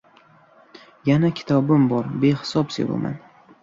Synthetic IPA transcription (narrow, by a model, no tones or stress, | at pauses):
janakʲʰɪ̥t̪ʰɒbɪmbɒɾbe̞hɪ̥sɒpsḛvo̰ma̰n